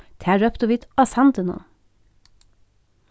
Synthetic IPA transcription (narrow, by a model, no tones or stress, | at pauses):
t̪ʰæːɹœpt̪oʋɪt̪ɑsɑnd̪əno̰